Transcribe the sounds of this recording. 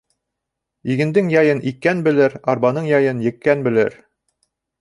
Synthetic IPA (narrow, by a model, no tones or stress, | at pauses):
iɡɘ̆nd̪ɘŋjɑjɤnʔikːænbɘ̆lɘɾɑɾbɑnɤɴjɑjɤnjɘ̆kːænbɘ̆lɘɾ